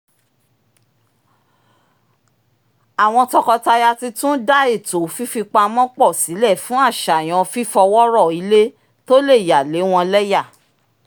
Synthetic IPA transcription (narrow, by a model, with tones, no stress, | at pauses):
a˨w̃ɔ̃˧tɔ˧kɔ˧ta˧ja˧ti˧tũ˦da˦e˦˨to˨˦fi˦fi˧k͡pa˧mɔ̃˦k͡pɔ˦˨si˨˦lɛ˦˨fũ˦a˦˨ʃa˨j̃ɔ̃˧fi˦fɔ˧wɔ˦ɾɔ˦˨i˨˦le˦ | to˦le˦˨ja˨le˨˦w̃ɔ̃˧lɛ˦ja˦˨